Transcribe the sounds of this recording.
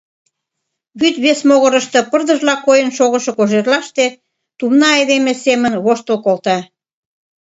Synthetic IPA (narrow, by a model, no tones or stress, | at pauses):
βyt̪βesmoɣə̆ɾə̆ʃt̪ɤ̆pərd̪ə̆ʒlɑkojənʃoɣə̆ʃŏkoʒerlɑʃt̪e | t̪umnɑejd̪emesemənβoʃt̪ə̆lkolt̪ɑ